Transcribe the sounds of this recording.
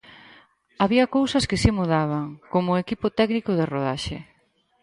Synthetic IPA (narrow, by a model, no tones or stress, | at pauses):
aβiɐkowsɐskɪsimuðaβaŋkomʊekipʊt̪ɛknikʊðɪroðaʃḛ